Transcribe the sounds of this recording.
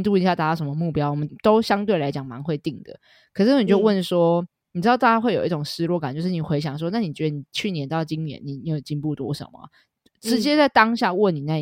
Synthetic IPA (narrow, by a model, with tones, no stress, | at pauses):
t̪u˥˩i˧˥ɕja˥˧˩a˧˩t̪ɑ˥˩ʂə˦mə˧˦mu˥˩pjɑ˥ʊwɔ˨˩mə˦nt̪o˥ʊɕjɑ˥ŋt̪we˥˩ɪla˧˦ɪt͡ɕjɑ˨˩ŋma̰˧˦nxwe˥˧ɪt̪i˥˩ŋd̪ə̰˩ | kʰɤ˨˩ʂɻ̩˥˩˥ni˨˩t͡ɕjo˥˧ʊwə˥˩nʂwɔ˥˨˩ | ɻ̩˧˥˧t̪a˥˩t͡ɕja˥xwe˥˩jo˨˩ʊi˥˩ʈ͡ʂʊ˨˩ŋʂɻ̩˥˧lwɔ˥˩ka˨˩nt͡ɕjo˥˧ʂ̩˥˩ni˨˩xwe˧˥ɪɕjɑ˨˩ŋʂ̬wɔ˥na˥˩ni˨˩t͡ɕɥɛ˧d̪ə˧ni˨˩t͡ɕʰy˥˩njɛ˧˦nt̪ɑ˥˩ʊt͡ɕi˦njɛ̰˧˦nːi˨˩njo˥˩˨t͡ɕi˥npu˥˩t̪wɔ˥ʂə̰˨˩nmə̰˨ | ʈ͡ʂɻ̩˧˦t͡ɕjɛ˥t͡sa˥˩ɪt̪ɑ˥ŋɕja˥˧wə˥˩ni˨˩na˥˩